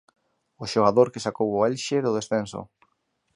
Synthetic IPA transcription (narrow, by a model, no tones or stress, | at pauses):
ʊʃoɣaðoɾkesakowoɛlʃeðʊðesθɛnso̰